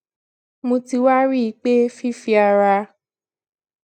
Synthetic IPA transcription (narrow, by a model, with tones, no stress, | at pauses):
mõ˧ti˧wa˦ɾi˦i˧˦k͡pe˦fi˦fi˧a˧ɾa˧